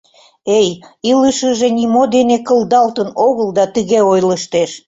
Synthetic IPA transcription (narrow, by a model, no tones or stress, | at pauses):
ejiləʃəʒenimod̪enekəld̪ɑlt̪ənoɣəld̪ɑt̪əɣeojləʃt̪eʃ